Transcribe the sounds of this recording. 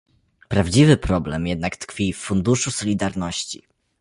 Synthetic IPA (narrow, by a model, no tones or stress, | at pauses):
pɾavd͡ʑivɘpɾɔblɛmjɛd̪̚nakt̪kfʲiffund̪uʂusɔlʲid̪aɾnɔɕt͡ɕḭ